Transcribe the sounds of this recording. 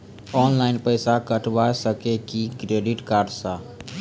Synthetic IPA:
ɔːnlaɪnpəɪsakəʈʰʋasəkekikɾeːɖiʈkaːɾɖsa

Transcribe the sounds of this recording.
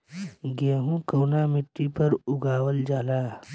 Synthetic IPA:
ɡẽːɦũkəːnamɪʈːipəɾʊɡʱaːʋəld͡ʒaːlaː

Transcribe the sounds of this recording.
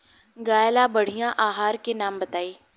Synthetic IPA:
ɡaːjlabɐɽ̤ijãʔaːɦaːɾkenaːmbɐt̪aːiː

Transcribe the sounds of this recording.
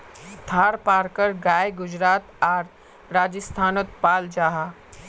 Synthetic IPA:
t̪ʰaːɾpaːɾkəɾɡaːjɡʊd͡ʑɾaːt̪aːɾ | ɾaːd͡ʑəst̪ʰaːnot̪paːld͡ʒaɦa

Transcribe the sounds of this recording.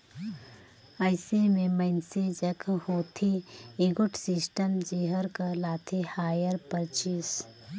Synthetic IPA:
əɪsemẽməɪnsed͡ʒəkʰhoːt̪ʰiɪɡʊʈsɪsʈəmd͡ʒeːɦəɾkəlaːt̪ʰihaːjəɾpəɾt͡ʃis

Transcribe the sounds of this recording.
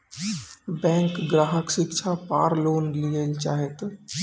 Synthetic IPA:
bɛ̃ːŋkɡɾaːɦəkʃɪkt͡ʃʰapaːɾloːnliəlt͡ʃaːɦet̪

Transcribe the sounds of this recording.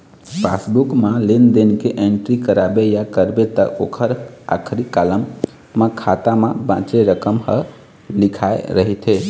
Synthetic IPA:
pʰa̰sbukmalend̪enkeʔeɳʈɾikəɾabejakəɾbet̪ə̰okʰəɾa̰kʰɾikaləmː | ãkʰat̪amebãt͡ʃeɾəkəmhə̰ | likʰaeɾəɦit̪ʰe

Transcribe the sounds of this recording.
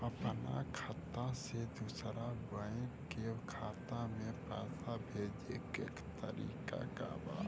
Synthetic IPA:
əpəna̰kʰat̪ːased̪usɾabəẽkekʰaːt̪amẽpɾa̰ːsabʱeːd͡ʒekeːkt̪ə̰ɾḭːka̰ka̰ba̰ː

